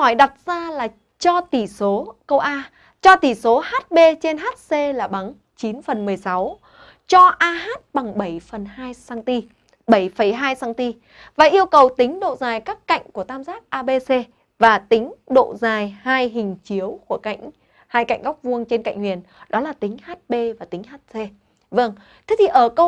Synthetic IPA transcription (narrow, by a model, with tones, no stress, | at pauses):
hɔ˧˩jɗa˨˩t̚z̥aː˧laː˨˩ | t͡ɕɔ˧t̪i˧˩so˨˦kə˧wʔaː˧ | t͡ɕɔ˧t̪i˧˩so˨˦haː˦˥t̚ɓe˧t͡ɕe˧nɦaː˦˥t̚se˧laː˨˩ɓa˨˦ŋ | t͡ɕi˨˦nfə˨˩nmɨ˨˩əjsa˨˦w | t͡ɕɔ˧ʔaː˧ɦaː˦˥t̚ɓa˨˩ŋɓə˧˩jfə˨˩nhaː˧jsaː˧ŋt̪i˧ | ɓə˧˩jfə˧˩jɦaː˧jsaː˧ŋt̪i˧ | vaː˨˩ʔi˧əwkə˨˩wt̪ï˨˦ŋ̟ɗo̰˧˨zaː˨˩jkaː˦˥kːa̰˧˨jŋ̟ku˧˩ət̪aː˧mzaː˦˥k̚ʔaː˧ɓe˧se˧ | vaː˨˩t̪ï˨˦ŋ̟ɗo̰˧˨zaː˨˩jhaː˧jɦï˨˩ŋ̟t͡ɕi˨˦əwku˧˩əka̰˧˨jŋ̟ | haː˧jka̰˧˨jŋ̟ɣa˦˥k͡p̚vu˧əŋt͡ɕe˧nka̰˧˨jŋ̟hwḭ˨˩ən | ɗɔ˨˦laː˨˩t̪ï˨˦ŋ̟haː˦˥t̚ɓe˧vaː˨˩t̪ï˨˦ŋ̟haː˦˥t̚se˧ | və˧ŋ | t̪ʰe˨˦t̪ʰi˨˩ʔəː˧˩kə˧w